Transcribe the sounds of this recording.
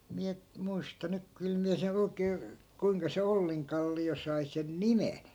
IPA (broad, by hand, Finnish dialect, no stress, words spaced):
miæ muistɑ nyk kyl miæ sen oi̯keː kuiŋkɑ se olːiŋkɑlːio sɑi sen nimen